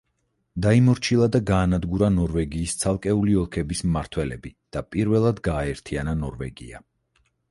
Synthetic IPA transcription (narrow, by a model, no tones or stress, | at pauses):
d̪aimɔɾt͡ʃʰilˠad̪aɡaːnad̪ɡuɾanɔɾvɛɡiːst̪sʰalˠkʼɛuliɔlˠkʰɛbismmaɾt̪ʰwɛlɛbid̪̥apʼiɾvɛlˠad̪ɡaːɛɾt̪ʰiananɔɾvɛ̰ɡḭa̰